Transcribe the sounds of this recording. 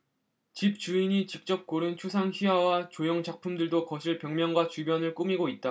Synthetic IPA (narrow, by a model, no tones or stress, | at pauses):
t͡ɕip̚t͡ɕuiɲit͡ɕik̚t͡ɕ͈ʌp̚k͈oɾɯnt͡ɕʰusʰaŋçiawat͡ɕojʌŋt͡ɕak̚pʰumdɯɭdokʌɕʰiɭpjʌŋmjʌŋɡwat͡ɕubjʌnɯɭk͈umiɡoit̚t͈a